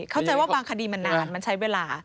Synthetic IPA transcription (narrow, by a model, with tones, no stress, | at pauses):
kʰa˥˩t͡ɕa˧jwaː˥˩baː˧ŋkʰa˧diː˧ma˧nːaaː˧˩nma˧nt͡ɕʰa˦˥jweː˧laː˧